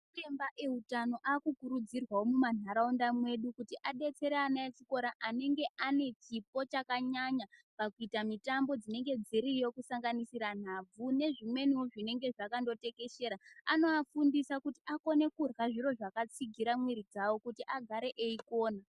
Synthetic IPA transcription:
embaʔeutano̞ʔaːkukuɾud͡zirwaomuman̤aɾaundamwe̞ɗukutiʔaɗe̞t͡se̞ɾeanaet͡ʃiko̞ɾaʔane̞ŋɡe̞ʔane̞t͡ʃip̚o̞t͡ʃakaɲaɲapakuitamitambo̞d͡zine̞ŋɡe̞d͡ziɾijo̞kusaŋɡanisiɾan̤ab͡vune̞ʐimwe̞niwoʐine̞ŋɡe̞ʐakando̞te̞ke̞ʃe̞ːɾaano̞afundisakutiako̞ne̞kurwaʐiɾo̞ʐakat͡siɡʱiɾamweɾid͡zawo̞kutiʔaɡʱaɾe̞ʔeikoːna

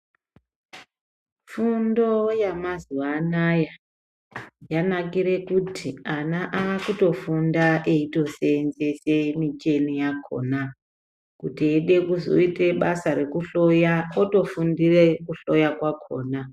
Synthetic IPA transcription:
fundo̞jamazuanaja | janakiɾe̞kutʰianaʔaːkuto̞fundaʔeito̞senze̞se̞mit͡ʃe̞nijakʰo̰ːna | kutieɗe̞kuzo̞̰ite̞ɓasaɾe̞kuɬojaoto̞fundirekuɬo̞jakwakʰo̞̰ːna

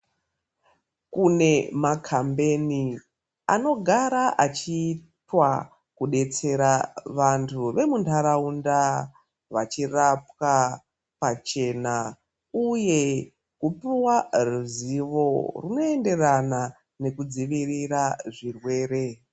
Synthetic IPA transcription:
kune̞makʰambe̞ni | ano̞ɡʱaɾaʔat͡ʃiːtwa | kuɗe̞t͡se̞ɾaʋantʰuʋe̞muntʰaɾaunda | ʋat͡ʃirapka | pat͡ʃe̞na | uje̞ | kupiwaruziʋo̞runo̞e̞nde̞rana | ne̞kud͡ziʋiriraʐirwe̞ːɾe̞

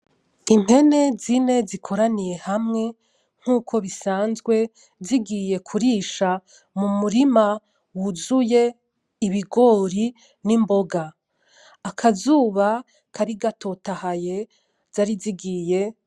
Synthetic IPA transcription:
in̥he̞ne̞zine̞zikʰo̞ɾanije̞hamŋe̞ | ŋ̥huːkʰo̞βisaːnzɡwe̞ | ziɡije̞kʰuɾiːʃa | mumuɾima | wuzuje̞ | iβiɡo̞ːɾi | nimbo̞ɡaː | kʰazuːβa | kʰaɾiɡato̞tahaje̞ | z̥aɾiziɡiːje̞

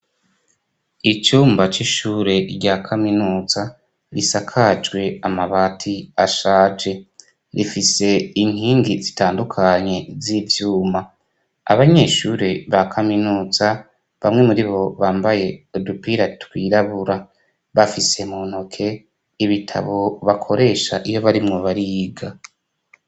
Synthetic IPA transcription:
it͡ʃuːmbat͡ʃiʃuːɾe̞ɾɟaːkʰaminuːza | ɾisakʰad͡ʒɡwe̞amaβaːtʰiaʃaːd͡ʒe̞ | ɾifise̞iŋ̥hiːŋɡizitaːndukʰaɲe̞zivjuːma | a̰βaɲe̞ːʃuɾeβakʰaminuːza | βamŋe̞muɾiβo̞βaːmbaje̞odupiɾatkwiːɾaβuɾa | βafise̞mon̥hokʰe̞ | iβitʰa̰βo̞βakʰo̞ɾe̞ːʃaʔijo̞βaɾimŋo̞βaɾiɡa

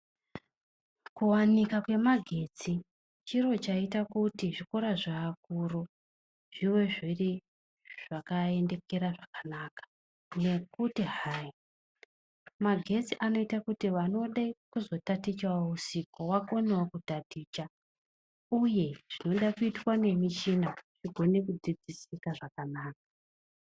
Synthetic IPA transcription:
kuwanikakwe̞maɡʱe̞ːt͡si | t͡ʃiro̞t͡ʃaitakutiʐiko̞ɾaʐaːkuro | ʐ̥iwe̞ʐiri | ʐ̥akae̞nde̞ke̞ɾaʐakanakḁ | ne̞kutiɦai | maɡʱe̞t͡siʔano̞itakutiʋano̞ɗaikuzo̞tatit͡ʃwousiko̞wako̞newokutadʱiːt͡ʃa | uje̞ʐ̥ino̞ɗakuitwane̞mit͡ʃinaʐiɡʱo̞ne̞kud͡zid͡zisikaʐakanaːkḁ

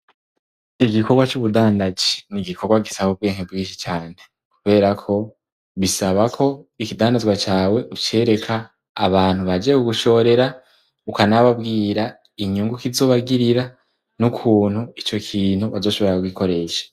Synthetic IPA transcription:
iɡiko̞ɡwat͡ʃuβudaːndazi̥niɡikʰo̞ɡwaɡisaβub̚ɡeːŋebɡiːnʃi̥t͡ʃaːn̥e̞ | kuβe̞ːɾakʰo̞ | βisaβakʰo̞ikidaːndazɡwat͡ʃaːwe̞ʔut͡ʃe̞ːɾe̞kʰaː | βaːn̥huβad͡ʒiekuɡuʃo̞ːɾe̞ɾa | ukanaβabɡiːɾa | iɲuŋɡukizo̞ːβaɡiɾiɾa | nukʰuːnhuit͡ʃo̞kʰiːn̥huβazo̞ːʃoβo̞ɾakuɡiko̞ɾe̞ːʃḁ

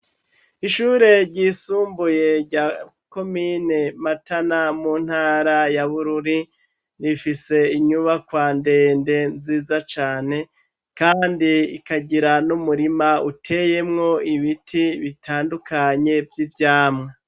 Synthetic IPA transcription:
iʃuːɾe̞ɾɟiːsuːmbuje̞ɾɟaːko̞minematanamuːn̥haːɾajaβuɾuɾi | nifise̞iɲuβakwaːnde̞ːnde̞nziːzat͡ʃaːne̞ | kaːndiikaɟiɾanumuɾimautʰe̞je̞mŋo̞iβitʰiβitʰaːndukʰaɲe̞vjivjaːmŋa

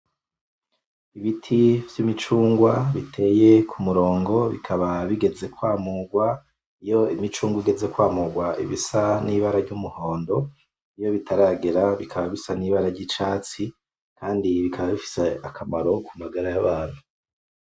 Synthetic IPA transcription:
iβitʰivjimit͡ʃuːŋɡwaβitʰe̞ːje̞kʰumuɾo̞ːŋɡo̞βikʰaβaβiɡe̞ze̞kwaːmuɡwa | ijo̞imit͡ʃuːŋɡwiɡe̞ze̞kwaːmuɡwaʔḭβisaniβaɾaɾɟumuho̞ːndo̞ | ijo̞βitʰaɾaːɡeɾaβikʰaβaβisaniːβaɾaɾɟit͡ʃaːt͡si | kʰaːndiβikʰaβaβifi̥seakʰamaɾo̞kumaɡaɾajaβaːn̥u

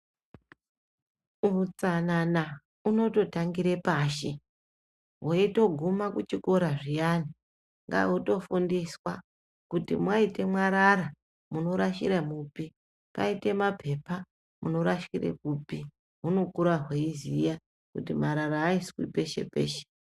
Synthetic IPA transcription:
ut͡sanana | uno̞to̞taŋɡiɾe̞paʃe | ɦwoito̞ɡʱumakut͡ʃiko̞ɾaʐijani | ŋɡa̰uto̞fundiswa | kutḭmwaite̞mwaɾaɾa | muno̞ɾaʃḭɾemupi | pa̰ite̞mapʰe̞pa | muno̞ɾaʃkirḛkupi | ɦuno̞kuɾaɦweizija | kutimaɾaɾaːiswḭpe̞ʃe̞̰pe̞̰ːʃe̥

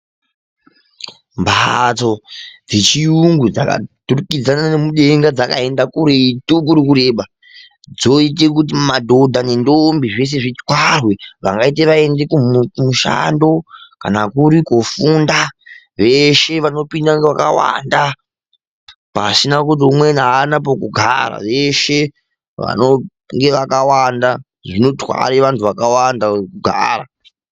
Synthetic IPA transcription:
mbat͡so̞d͡zet͡ʃiuŋɡud͡zaka̰d̥urukid͡zananemuɗe̞ŋɡad͡zaka̰e̞ndakuɾeituk̬uɾikuɾe̞ːɓa | d͡zo̞it̬ek̬ut̬imadʱo̞dʱane̞ndombiʐe̞s̬e̞ʐit͡skwarwe̞ʋa̰ŋɡait̬eʋae̞ndekumuʃa̰ndo̞kanakuɾikofunda | ʋe̞ʃe̞ʋano̞pindaŋɡeʋakawa̰nda | paːsinakut̬iumwenaːnap̬okuɡʱa̰ra̰ʋeʃe̞ | ʋa̰no | ŋɡe̞ʋakawanda | ʐino̞twa̰ɾeʋantʰuʋakawandakuɡʱa̰ːra̰

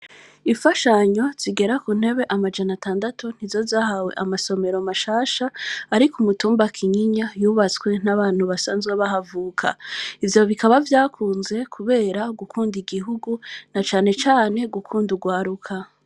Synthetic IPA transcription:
ifaʃaɲo̞z̥iɡe̞ɾakun̥e̞βe̞ʔamad͡ʒanataːndatun̥ivzo̞zaːhawe̞̰ʔamaso̞me̞ɾo̞maʃaːʃaːɾikumutuːmbakʰiɲiɲajuːβat͡swe̞naβaːn̥huβasaːnzɡweβaɦavuːkʰa̰ivjo̞βikaβavjaːkʰuːnze̞kʰuβe̞ːɾaɡukʰuːndiɡiɦuɡunat͡ʃaːne̞t͡ʃaːne̞ɡukʰuːnduɡwaːɾukʰa

